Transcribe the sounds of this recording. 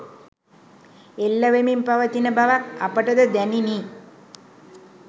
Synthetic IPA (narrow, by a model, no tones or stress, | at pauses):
elːəʋemimpaʋət̪inəbaʋak̚apəʈəd̪əd̪ænini